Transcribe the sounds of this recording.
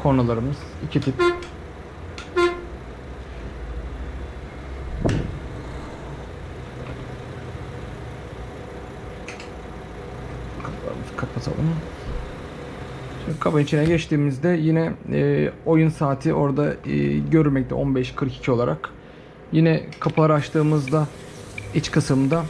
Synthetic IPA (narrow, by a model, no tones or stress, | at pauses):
kʰonalˠaɾɯmɯz̥icʰit̪ʰip | aa̰fi̥kʰːat̪̚pʰasʰa̰lˠɯm | ʃimd̪kʰabanit͡ʃʰinɛɟɛt͡ʃt̪ʰiːmizd̪ɛjinɛː | o̞junsaːt̪ʰiʔo̞ɾd̪aɟøɾyɾmɛct̪ɛ̰ʔo̞nbɛʃkʰɯɾki̥cʰio̞lˠaɾak | jinɛkʰapʰɯlˠaɾat͡ʃt̪ʰɯːmɯzd̪a | it͡ʃkʰɯsɯmd̪a